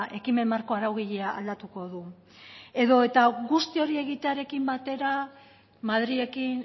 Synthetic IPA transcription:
ʔe̞kime̞nmːaɾko̞aɾawɣiʎeaʔːld̪at̪uko̞ðu | e̞ðo̞e̞t̪aɣust̪io̞ɾie̞ɣit̪e̞aɾe̞kimbat̪e̞ɾa | maðɾie̞kin

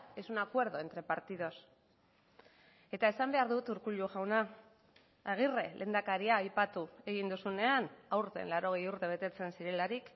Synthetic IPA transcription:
e̞sunakwe̞ɾðo̞e̞nt̪ɾe̞paɾt̪iðo̞s | e̞t̪ae̞sambe̞aɾðut̪uɾkuʎuʝawnaː | ɣ̞ire̞lʔe̞ːnd̪akaɾiaːjpat̪ue̞ɣ̞ind̪usune̞anawɾt̪e̞̰nlaɾo̞ɣ̞ejuɾt̪e̞β̞e̞t̪e̞t͡se̞nsiɾe̞laɾik

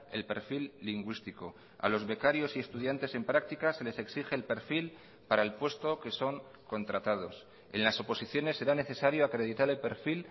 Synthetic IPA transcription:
e̞̰lpe̞̰ɾfilːiŋɡwist̪iko̞ | a̰lo̞zβe̞kaɾjo̞sie̞st̪uð̞jant̪e̞se̞mpɾak̚t̪ikase̞le̞se̞ksiχe̞ːlpe̞ɾfil | paɾaelpwe̞st̪o̞ke̞so̞ŋ | ko̞nt̪ɾat̪að̞o̞s | e̞̰nlaso̞po̞siθjo̞ne̞sːe̞ɾane̞θe̞saɾjo̞akɾe̞ð̞it̪aɾe̞lpe̞ɾfil

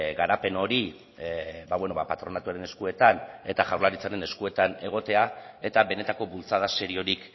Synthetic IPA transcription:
ɡaɾape̞no̞ɾi | baβwe̞no̞βapat̪ɾo̞nat̪uaɾe̞ne̞skue̞t̪ane̞t̪aʝawɾlaɾit͡saɾe̞ne̞skue̞t̪ane̞ɣ̞o̞t̪e̞ae̞t̪aβe̞ne̞t̪ako̞βult͡sað̞ase̞ɾio̞ɾik

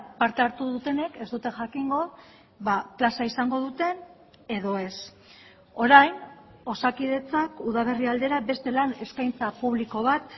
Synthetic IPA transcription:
paɾt̪eaɾt̪uðut̪e̞ne̞ke̞zd̪ut̪e̞ʝakiŋɡo̞ | βaplasaisaŋɡo̞ð̞ut̪e̞n | e̞ðo̞e̞s | o̞ɾajno̞sakið̞e̞t͡sakuð̞aβ̞e̞riald̪e̞ɾabe̞st̪e̞lane̞skajnt͡sapuβ̞liko̞β̞at̪

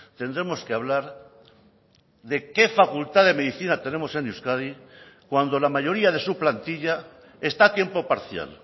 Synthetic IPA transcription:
t̪e̞nd̪ɾe̞mo̞skeaβ̞laɾ | ðe̞ke̞fakult̪aðe̞me̞ðiθinat̪e̞ne̞mo̞se̞niwskaði | kwand̪o̞lamaʝo̞ɾiaðe̞suplant̪iʎa | e̞st̪at̪je̞mpo̞paɾθja̰l

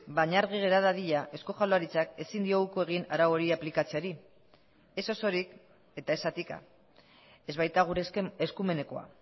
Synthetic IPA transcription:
baɲaɾɣ̞iɣ̞e̞ɾaðaðiʎaʔe̞sko̞xaloaɾit͡sake̞sind̪io̞ɣukoe̞ɣ̞inaɾawo̞ɾiaplikat͡siaɾi | e̞so̞so̞ɾik | e̞t̪ae̞sat̪ika̰ | e̞zβajt̪aɣ̞uɾeseskume̞ne̞ko̞a̰

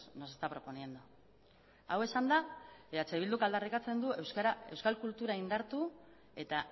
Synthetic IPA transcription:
no̞se̞st̪apɾo̞po̞nie̞nd̪u | awe̞sand̪aat͡se̞βild̪ukald̪arikat͡se̞nd̪ue̞wskaɾae̞wskalkult̪uɾaind̪aɾt̪u | e̞t̪a

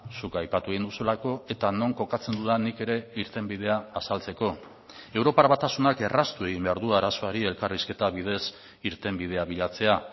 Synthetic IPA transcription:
sukajpat̪ueɣind̪usulako̞e̞t̪ano̞ŋko̞kat͡se̞nd̪uðanike̞ɾe̞iɾt̪e̞mbið̞e̞aːsalt͡se̞ko̞ | e̞wɾo̞paɾβat̪asunake̞rast̪ue̞ɣ̞imbe̞aɾðuaɾaso̞aɾie̞lkariske̞t̪aβið̞e̞s | iɾt̪e̞mbið̞e̞aβiʎat͡se̞a

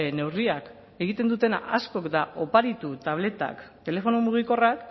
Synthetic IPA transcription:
ne̞wriak | e̞ɣ̞it̪e̞nd̪ut̪e̞na̰ʔasko̞kd̪aʔo̞paɾit̪ut̪aβ̞le̞t̪a̰kt̪e̞le̞fo̞nomuɣ̞iko̞rak

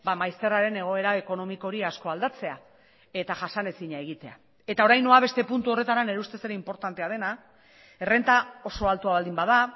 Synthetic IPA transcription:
bamajst̪e̞raɾe̞ne̞ɣ̞o̞e̞ɾaeko̞no̞miko̞ɾiasko̞ald̪at͡se̞a | e̞t̪aʝasane̞siɲae̞ɣ̞it̪e̞a̰ | e̞t̪ao̞ɾajnoaβe̞st̪e̞punt̪uo̞re̞t̪aɾane̞ɾeust̪e̞se̞ɾeimpo̞ɾt̪ant̪e̞að̞e̞na | ere̞nt̪ao̞so̞alt̪uaβald̪imbað̞a

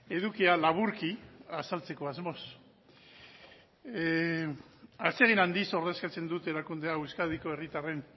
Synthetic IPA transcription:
e̞ðukialaβuɾkiasalt͡se̞ko̞azmo̞s | at͡seɣ̞inand̪iso̞ɾðe̞skat͡se̞nd̪ut̪e̞ɾakund̪e̞aewskaðiko̞e̞rit̪are̞n

